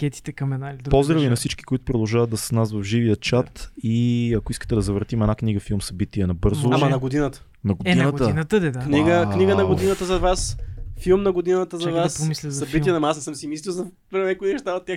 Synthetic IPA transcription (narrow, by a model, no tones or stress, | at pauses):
kʲɛt̪i̥t̪ɛkɐmɛnalid̪ɾpɔzzd̪ɾəvinɐfsit͡ʃki̥koit̪ʊ̥pɾod̪ɐlˠʒavɐt̪̚d̪ɐssnasvɐvʒivijət͡ʃat̪iɐkoiskə̥t̪ɛd̪ɐzɐvɾt̪imɛd̪nakniɡəfilˠmsɐbit̪iɛnɐbɤɾzʊamɐnɐɡod̪inət̪ə̥ | nɐɡodɛinəɡ̪inət̪əd̪ɛd̪akniɡəkniɡənɐɡod̪inət̪əzɐvasfilˠmnɐɡod̪inət̪əzɐvasspomislʲəsɐbit̪iɛnɐmasnɛsəmsimislʲilˠzɐ | vɾɛmɛɛkʊiɛʃt̪avət̪ʲːjax